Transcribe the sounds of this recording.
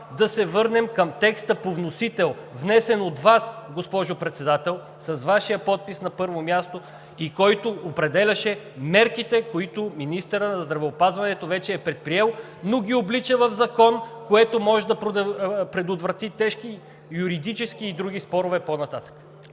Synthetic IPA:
d̪ɐsɛvɤɾnɛmkəmt̪ɛkst̪əpovnosit̪ɛlˠvnɛsɛnod̪vasɡospɔʒʊpɾɛt̪sɛd̪at̪ɛlˠ | sɐzvaʃijəpɔt̪̚pisnɐpɤɾvomʲjast̪o | ikɔjt̪oːpɾɛd̪ɛlʲɐʃɛ | mɛɾkit̪ɛkoit̪ʊminist̪ɛɾənɐzd̪ɾɐvɛopazvɐnɛt̪ovɛt͡ʃɛːpɾɛt̪̚pɾiɛlˠ | noɡʲioblit͡ʃəvɐvzɐkɔnkoɛt̪omɔʒɛd̪ɐp̪pɾɛd̪ʊt̪vɾɐt̪it̪ɛʃk̟i | juɾid̪it͡ʃɛskiːd̪ɾuɡ̟ʲispɔɾʊvɛponɐt̪at̪ə̥kə̥

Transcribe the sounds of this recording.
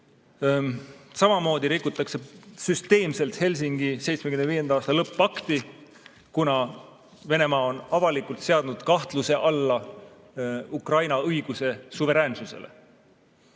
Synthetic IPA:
sɑmɑmo̞ːd̪̥iɾikːˑut̪ˑːɑkse̞syst̪e̞ːmse̞lt̪he̞lʲsiŋɡ̥ise̞jt̪smekymneviːje̞nd̪ɑɑːst̪ɑlɤpˑːɑkt̪i | kunɑ | ve̞ne̞mɑːo̞nɑvɑlikˑult̪se̞ɑd̪̥nud̪̥kɑht̪luse̞ʔɑlːɑ | ukrɑjnɑɤjɡ̥use̞suve̞ɾeːnsuse̞̰lʔḛ

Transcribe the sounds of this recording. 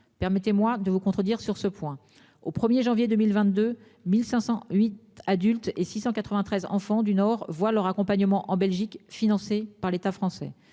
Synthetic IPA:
pɛʁmɛt̪emwad̪əvukɔ̃t̪χəd̪iʁsyʁsəpwɛ̃ | opχəmjeʒɑ̃vjed̪ømilvɛ̃t̪̚d̪ø | milsɛ̃sɑ̃ɥit̪ad̪ylt̪esisɑ̃kat̪χəvɛ̃t̪χɛzɑ̰̃fɑ̃d̪ynɔʁvwalœʁakɔ̃paɲəmɑ̃ʔɑ̃bɛlʒikfinɑ̃sepaʁlet̪afχɑ̃sɛ̰

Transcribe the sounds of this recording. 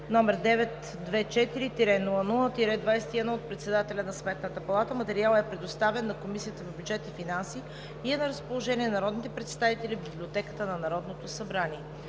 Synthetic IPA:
nɔmɛɾd̪ɛvɛt̪ | d̪vɛt͡ʃɛt̪iɾit̪iɾɛnulˠənulˠət̪iɾɛd̪vajsɛ̥t̪iɛd̪nɔot̪̚pɾɛt̪sɛd̪at̪ɛlʲɐnɐsmɛt̪nət̪əpɐlˠat̪əmɐt̪ɛɾialˠɛpɾɛd̪ost̪avɛnːɐkomisijət̪əvɐbʲjud͡ʒɛt̪ifinansi | iɛnɐɾəspolˠoʒɛniɛnɐɾɔd̪nit̪ɛpɾɛt̪st̪avit̪ɛlʲibiblʲiot̪ɛkə̥t̪ənɐnɐɾɔd̪not̪osɐbɾaniɛ

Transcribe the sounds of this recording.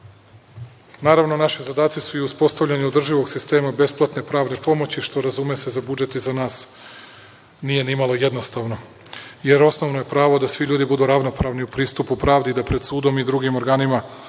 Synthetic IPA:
naːɾaʋno̞naʃizad̪aːt̪sisuiuspo̞st̪aʋʎʲaɲeod̪r̩ʒiʋo̞ɡsist̪e̞ːmabe̞splˠat̪ne̞pɾaːʋne̞po̞mo̞t͡ɕiʃt̪o̞ɾazumese̞zabud͡ʒe̞t̪izanaːs | nije̞nimalˠo̞je̞d̪no̞st̪aːʋno̞ | jeɾo̞sno̞ʋnoje̞pɾaːʋod̪asʋiʎuːd̪ibud̪uɾaʋno̞pɾaːʋniupɾiːst̪upupɾaːʋd̪iːd̪apɾe̞d̪suːd̪o̞mid̪ɾuɡimo̞ɾɡaːnima

